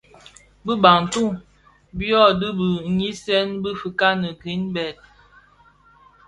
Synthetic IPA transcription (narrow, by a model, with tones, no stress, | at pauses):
bə˦ba˨ŋn̩˨tu˦˨ŋ | bjɔ˦˨də˦bə˨˦i˦sɛ˦nbə˦fə˨ka˦nə˨ɡi˨˦nbɛ˨t̚